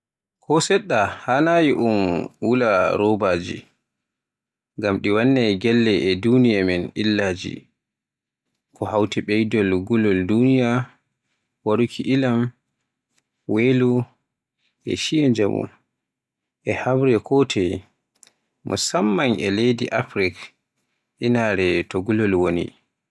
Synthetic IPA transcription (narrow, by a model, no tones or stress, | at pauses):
kʰɔsɛɗːahanajiʔumwulaɾɔbaːd͡ʒḭ | ŋɡamɗiwanːɛɡɛlːɛʔɛdunijamɛnilːaːd͡ʒḭ | kʰɔhawtiɓɛjdɔlɡulɔldunija | waɾukʰiʔilam | welu | ʔɛ̰ʃiɛd͡ʒamṵ | ʔɛhamɾɛkʰɔtʰɛ | mɔ̰samːaŋɛlejdiʔafɾik | ʔinaɾɛtɔɡulɔlwonḭ